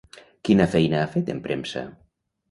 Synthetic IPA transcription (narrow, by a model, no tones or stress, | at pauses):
kinafɛjnaafet̪empɾemsa̰